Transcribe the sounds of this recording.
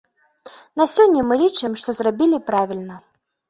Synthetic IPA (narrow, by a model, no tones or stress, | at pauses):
nasʲɔnʲːɐmɨlʲit͡ʂɨmʂt̪ɔzrabʲilʲipɾavʲilʲnɐ